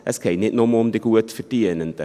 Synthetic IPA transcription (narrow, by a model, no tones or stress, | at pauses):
əskʰejnitnɔmɔmdəɡuətfərtiənəntə